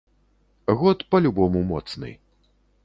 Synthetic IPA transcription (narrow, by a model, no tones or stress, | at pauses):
ɣɔt̪pɐlʲubɔmumɔt̪snɨ̰j